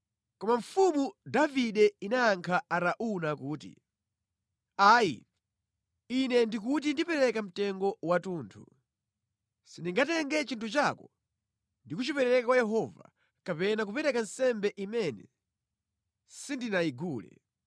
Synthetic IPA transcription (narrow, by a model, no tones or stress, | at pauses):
kɔmaɱ̩fumudaviɗɛinaːŋkʰaaɾaʔunakuːtḭ | aːjḭ | inɛndikut̬indipɛɾɛkam̩tɛŋɡɔwatuːntʰṵ | sindiŋɡatɛŋɡɛt͡ʃintʰut͡ʃakɔ | ndikut͡ʃipɛɾɛɾɛkakwajɛɦɔva̰ | kapɛnak̬upɛɾɛkansɛmbɛʔimɛnɛ̰ | sindinaiɡuːlɛ̰